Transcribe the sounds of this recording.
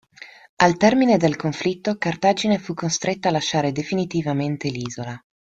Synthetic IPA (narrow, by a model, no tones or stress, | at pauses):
alt̪ɛrmined̪elkoɱflit̪ːokart̪ad͡ʒinefukːost̪ɾet̪ːalaʃaːɾed̪efinit̪ivament̪eliːzola